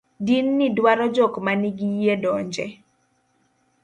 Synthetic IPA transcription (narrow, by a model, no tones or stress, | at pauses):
dinːidwaɾɔd͡ʒɔkmaniɡijedɔɲd͡ʒɛ